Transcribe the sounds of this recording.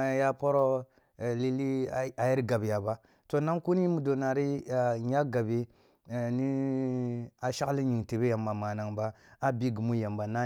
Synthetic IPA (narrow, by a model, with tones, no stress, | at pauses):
ja˦po˦ɾo˦˨ | li˦li˦a˨ji˦ɾɡa˨bja˨ba˦ | to˨na˦ŋku˦ni˦mu˨do˨na˨ɾi˦a˨ɲa˦ɡa˨bi˦˨ | ni˦ | a˨ʃa˦li˦ɲi˨ŋte˨be˦ja˨mːa˨ma˨na˨ŋba˦a˦bi˦ɡu˨mu˦ja˨mba˨na˦